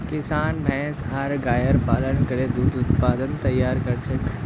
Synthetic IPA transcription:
kɪsaːnbʱɛ̃ːsaːɾɡaːjəɾpaːlənkɐɾed̪uːd̪ʊt̪̚paːd̪ənt̪ɐjːaːɾkɐɾt͡ʃʰek

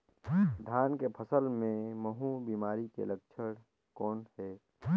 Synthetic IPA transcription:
d̪ʱaːnkepʰəsəlmẽməɦubiːmaːɾikḛlək̚t͡ʃʰəɽ | kɔːnhɛː

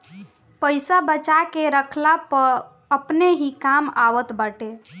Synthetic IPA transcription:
pəɪsabət͡ʃakeɾəkʰlapə | əpneɦikamaʋət̪bəʈe

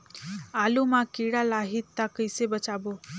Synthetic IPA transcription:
aːlumãkiɽalaːɦit̪ːakəjsebət͡ʃaːbo

